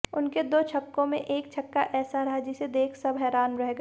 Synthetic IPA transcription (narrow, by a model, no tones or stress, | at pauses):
ʊnked̪oːt͡ʃʰɐkːõmẽʔeːkt͡ʃʰɐkːaʔɛːsaɾɐɦad͡ʒɪsed̪eːkʰsɐbɦɛːɾaːnɾɛɦeɡa